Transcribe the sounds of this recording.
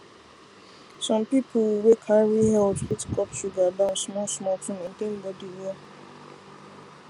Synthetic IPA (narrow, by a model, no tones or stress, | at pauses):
sɔ̃mpipʰowekʰaɹwiɦɛldwitkʰɔpʃuɡabãnsmɔsmɔltʰũmẽntẽm̩bɔdiwe